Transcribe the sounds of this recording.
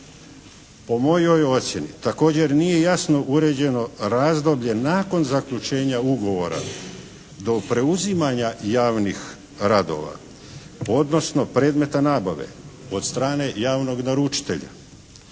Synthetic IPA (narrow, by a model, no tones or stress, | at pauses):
po̞mo̞jo̞jo̞t̪sje̞nit̪ako̞ːd͡ʑe̞ɾnije̞jasno̞ʔuɾe̞d͡ʑe̞no̞ɾaːzd̪o̞bʎe̞naːko̞nzakʎut͡ʃe̞ːɲauɡo̞ʋo̞ɾa̰ | d̪o̞pɾe̞uzimaɲajaːʋnix | ɾad̪o̞̰ʋa̰ | o̞d̪no̞sno̞pɾe̞ːd̪me̞t̪anaːbaʋe̞̰o̞d̪st̪ɾaːne̞jaːʋno̞ɡnaɾut͡ʃi̥t̪e̞̰ʎa̰